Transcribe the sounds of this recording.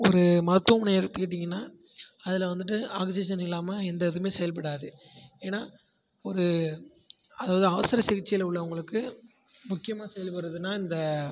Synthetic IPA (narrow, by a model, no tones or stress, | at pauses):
ɔɾɯmɐɾɐt̪ːɐmneɪɾɯt̪ːɯkːɪʈ̬ːiŋɡɐnːaː | ɐðɪlɐʋɐnd̪ɯʈ̬ːɯaːɡɐsiːs̬ɐnɪlːaːmɐɛnd̪ɐðɯmeːsɛjɐlp̬ɐɽaːðɯ | eːnaː | ɔɾɯ | ɐðaːʋɐðɯɐʋɐsɐɾɐsɪɣɪt͡ʃːɪjɪlʊɭːɐʊŋɡɐɭɯkːɯ | mʊkːɪjɐmaːsɛjɐlpɐɽɾɐðɯnːaːɪnd̪ɐ